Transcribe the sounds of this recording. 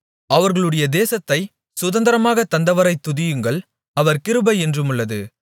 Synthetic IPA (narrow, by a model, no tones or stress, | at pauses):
ɐʋɐɾɣɐɭɯɽɐjɐd̪eːsɐt̪ːɐɪ | sʊðɐnd̪ɐɾɐmaːɣɐt̪ːɐnd̪ɐʋɐɾɐɪt̪ːʊðɪjɯŋɡɐɭ | ɐʋɐɾkɪɾɯbɐɪɛndrɯmɯɭːɐðɯ